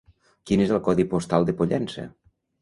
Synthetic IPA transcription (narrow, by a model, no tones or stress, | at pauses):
kinezəlˠkɔðipost̪alˠd̪əpoʎɛnsə̰